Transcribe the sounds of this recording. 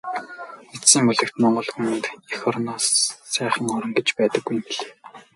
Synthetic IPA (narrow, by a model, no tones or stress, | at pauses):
esiːmuɮɘ̆kt̪mɔɴɢɞ̆ɮxumɘ̆nt̪ixɔrnɔːsːæːχə̆ŋɔɾɞ̆ŋɡet͡ɕpæːt̪ə̆ɡːujmpiɮeː